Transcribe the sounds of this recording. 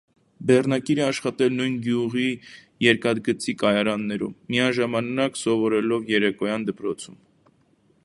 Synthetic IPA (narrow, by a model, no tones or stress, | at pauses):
bɛrnɑkiɾɛɑʃχɑt̪ɛlnujnɡjuʁi | jɛɾkɑd̪̚ɡət͡sikɑjɑɾɑnːɛɾṵmːiɑʒɑmɑnɑksɔvɔɾɛlɔvjɛɾɛkɔjɑnd̪əpɾɔt͡sʰum